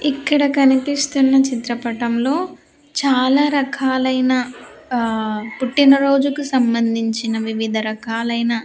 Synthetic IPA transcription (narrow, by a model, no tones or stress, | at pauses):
ikːɐɽɐkɐnipist̪unːɐt͡ʃit̪ɾɐpɐʈɐmlo̞ː | t͡ʃaːlaːɾɐkʰaːlɐjnɐ | puʈːinɐɾo̞ːd͡ʒukusɐmbɐnd̪ʱiɲt͡ʃinɐʋiʋid̪ʱɐɾɐkaːlɐjnɐ